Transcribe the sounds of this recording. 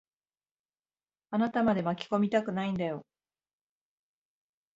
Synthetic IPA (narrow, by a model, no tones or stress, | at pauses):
anat̪amad̪e̞makʲi̥ko̞mʲit̪akɯ̟naĩnd̪ajo̞